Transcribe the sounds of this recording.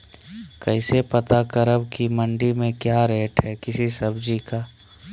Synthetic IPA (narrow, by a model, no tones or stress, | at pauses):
kəɪsepət̪akəɾəbkimə̃ɳɖimẽkjaːɾeːʈɦɛkɪsisɐbd͡ʒikaː